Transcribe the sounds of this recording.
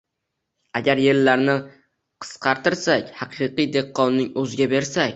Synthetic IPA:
aɡʲaɾjeɾlaɾnɪ | qʰɨ̥sqʰɑɾt̪ɪɾsakʲhɑqʰɨqɨjd̪e̞qːɒnːɪŋɵzɪɡʲabe̞ɾsakʲ

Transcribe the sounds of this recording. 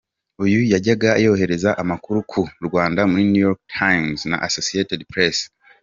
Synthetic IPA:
ujujaɟaɡaejooɦe̞ɾe̞zaʔamakuɾukʰuɾɡwaːndamuɾinujoɾk̚tʰajmzna̰ʔasosietedpɾes

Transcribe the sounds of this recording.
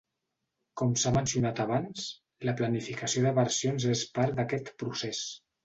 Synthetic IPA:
kɔmsamənsiunat̪aβans | ləplənifikəsioðəβəɾsijonzespaɾd̪əkɛt̪pɾuses

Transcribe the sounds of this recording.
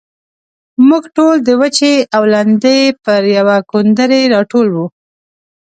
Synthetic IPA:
muɡʈold̪əwət͡ʃeawland̪ejpəɾjawakond̪əɾeɾɑʈolwu

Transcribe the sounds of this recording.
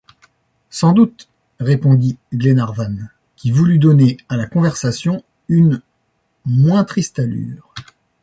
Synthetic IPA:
sɑ̃d̪ut̪ | ʁepɔ̃d̪iɡlenaʁvan | kʲivulyd̪ɔnealakɔ̃vɛʁsasjɔ̃ | yn | mwɛ̃t̪χist̪aly̰ːʁ

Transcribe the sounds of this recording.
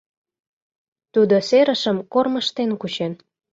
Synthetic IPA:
t̪ud̪oseɾəʃəmkorməʃt̪enkut͡ɕen

